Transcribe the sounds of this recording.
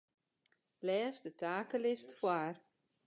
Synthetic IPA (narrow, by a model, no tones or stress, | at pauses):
lɛːsdətʰaːkəlɪstfwaːr